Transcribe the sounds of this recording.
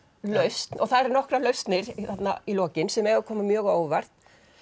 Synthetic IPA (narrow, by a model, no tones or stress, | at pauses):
lœɥst̪nɔ̰ɣθaðɾɛɾnɔhkɾalœɥst̪nɪɾiθat̪na̰ilɔːcɪnsɛmɛɣaðkʰɔːmamjœːɣoːwvar̥t̪